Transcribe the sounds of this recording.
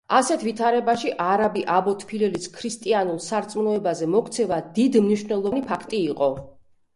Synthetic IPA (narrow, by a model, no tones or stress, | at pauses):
asɛt̪ʰvit̪ʰaɾɛbaʃiʔaɾabiʔabɔt̪ʰʼpʰilɛliskʰɾist̪ʼianulˠsaɾt̪sʼmnɔɛbazɛmɔkt̪sʰɛvad̪id̪mniʃvnɛlˠɔnipʰakʰt̪ʼiːqʼɔ